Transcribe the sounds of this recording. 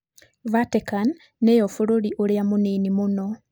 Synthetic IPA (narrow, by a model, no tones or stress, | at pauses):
vatekanː | ejofuɾuɾiʔoljamuninimuno